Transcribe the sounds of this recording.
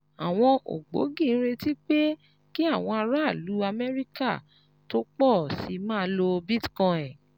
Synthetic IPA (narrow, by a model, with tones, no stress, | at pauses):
a˨w̃ɔ̃˧ʔo̰˨ɡ͡bo̰˨˦ɡĩ˦˨ñ̩˦ɾe˧ti˦k͡pe˦ | ki˦a˦˨w̃ɔ̃˧a˧ɾa˦˨lu˨˦a˧mɛ˦ɾi˦ka˦˨ | to˦k͡pɔ˦˨si˧˦mãː˦lo˧bi˦tkɔ̃˧ɛ̃˨